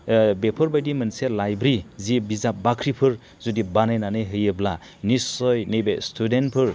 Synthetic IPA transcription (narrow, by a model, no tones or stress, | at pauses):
bepʰɯɾbajdimɯnselajbɾizibizabakʰɾipʰɯɾ | zudibanɯjnanɯjɦɯjɯbla | nisɔjnɯjbestʰudenpʰɯɾ